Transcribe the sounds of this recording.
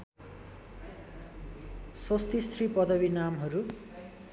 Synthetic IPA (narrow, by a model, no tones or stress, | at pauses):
sost̪isripʌd̪ʌbinamɦʌɾu